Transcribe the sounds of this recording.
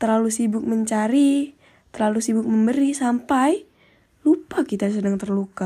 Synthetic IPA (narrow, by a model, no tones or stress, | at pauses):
t̪ərlalusibʊk̚məɲt͡ʃaɾi | t̪ərlalusibʊk̚məmbəɾisampaj | lupakit̪as̬ədaŋt̪ərluka